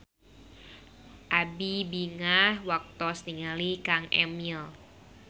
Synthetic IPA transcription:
ʔabibiŋahwak̚t̪ɔsniŋalikaŋʔɛ̰mil

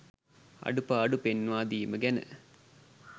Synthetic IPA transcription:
ɐ̰ɖupɐːɖupenʋaːd̪ijməɡɛnə̰

